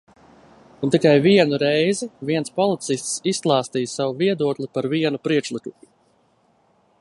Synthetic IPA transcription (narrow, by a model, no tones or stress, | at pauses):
unt̪ikajviɛnuɾɛjziviɛnspɔlˠit̪sist̪sisklˠɑːst̪iːjsavuviɛd̪uɔklˠipaɾviɛnupɾiɛkʃlˠiku